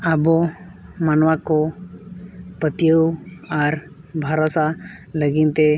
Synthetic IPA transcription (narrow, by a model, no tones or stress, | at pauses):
abɔmanwakɔ | pət̪jəwaɾ | bʱaɾɔsaləɡint̪e